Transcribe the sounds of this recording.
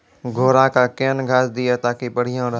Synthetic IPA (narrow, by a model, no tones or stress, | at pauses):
ɡʱoːɾãkakeːənɡʱaːsd̪ɪjat̪aːkipɐɽ̤ijãɾɐ